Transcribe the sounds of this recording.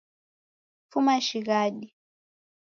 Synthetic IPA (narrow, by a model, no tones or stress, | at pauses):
fumaʃiɣaɗi